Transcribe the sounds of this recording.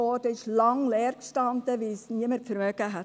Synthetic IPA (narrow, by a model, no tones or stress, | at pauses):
oːd̥̪əʃlɑŋlɛːɾkstɑnd̪əʋiːsniəməɾfəɾmøːkəɦæ